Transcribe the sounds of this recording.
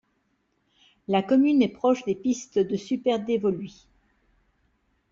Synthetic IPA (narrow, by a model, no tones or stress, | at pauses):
lakɔmynɛpχɔʃd̪epist̪d̪əsypɛʁd̪evɔlɥi